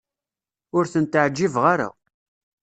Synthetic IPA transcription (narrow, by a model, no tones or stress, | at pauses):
ʊɾθənt̪ʕd͡ʒːivʁaɾa̰